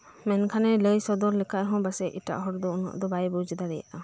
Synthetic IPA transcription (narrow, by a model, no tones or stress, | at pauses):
mɛnkʰanɛləjsɔd̪ɔɾlɛkʰaʔ̪̚ɦɔ̃basɛʔiʈa̰ʔɦɔɾd̪ɔunɔ̰ʔd̪ɔbajbɔd͡ʒɛd̪aɾɛja̰ʔa